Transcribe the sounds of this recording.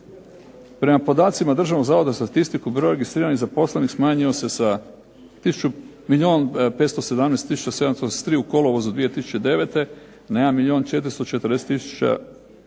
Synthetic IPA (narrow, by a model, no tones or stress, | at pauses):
pɾe̞mapo̞d̪aːt̪simad̪r̩ʒaʋnoɡzaːʋo̞d̪ast̪at̪ist̪ikubɾo̞jɾe̞ɡist̪ɾiːɾaniɣzapo̞slenixsmaːɲio̞se̞sa | t̪isu̥t͡ʃu | milʲjio̞ːnpet̪st̪o̞se̞d̪amnest̪ːisu̥t͡ʃase̞d̪amst̪osst̪ɾiːuko̞lˠoʋozud̪ʋijet̪isu̥t͡ɕed̪e̞ʋet̪e̞ | najeanmilʲio̞ːnt͡ʃe̞t̪ɾist̪ot͡ʃe̞t̪əɾd̪e̞set̪ːisu̥t͡ʃa̰